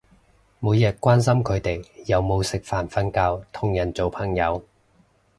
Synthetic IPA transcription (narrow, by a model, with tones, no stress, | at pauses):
muː˨˧jɛ˨˩t̚kːʷaː˥nsɐ˥mkʰɵ˨˧ɥt̪e˨˩jjɐ˨wmo˨˧wsɪ˨k̚faː˨˩nfɐ˧˥nkaː˧wt̪ʰʊ˨˩ŋjɐ˨˩nt͡so˨wpʰɐ˨˩ŋjɐ˨˧w